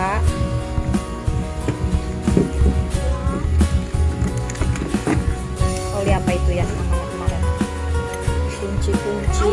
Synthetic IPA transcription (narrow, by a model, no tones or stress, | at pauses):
aʔ | oliapait̪ujasamakmaɾa | kuɲt͡ʃikuɲt͡ʃi